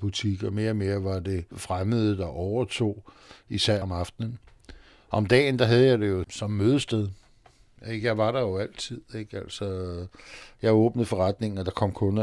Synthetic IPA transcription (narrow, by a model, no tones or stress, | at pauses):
b̥ut͡sʰiɡ̥ɐme̝ːɐɒme̝ːɐʋɑ̈d̥e̝fʁaməð̞̩ˠəd̥ɑ̈ʔɒʊɐt͡sʰo̝̰ː | isæɐ̰mɑ̈fd̥nən | ɒ̽md̥ɛ̰ːnd̥ɑ̈ɦæð̞ˠjɑ̈ɪde̝jo̝sɒ̽mːøːð̞ˠəsd̥eð̞ˠ | eɡ̥jɑ̈ɪʋɑ̈ɾɑ̈jo̝æl̰t͡sʰið̰ˠeɡ̥æl̰sɒ | jɑ̈ɪɔ̽ːb̥nəð̞̩ˠfɒ̽ʁad̥ne̝ŋn̩ɒd̥ɑ̈kʰɒ̽m̰kʰɔ̽n